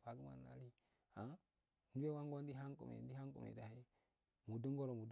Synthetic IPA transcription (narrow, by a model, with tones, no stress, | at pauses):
fa˨ɡu˦ma̰˨na̰˨˦li˦ | a˨˦ | n˦du˦e˦wa˦ŋɡo˦n˦di˦ɦa˦ŋkṵ˨mḛ˨n˦di˦ha˦ŋkṵ˨mḛ˨da˨hi˦ | mu˨du˦ŋɡo˦ɾo˨mu˨d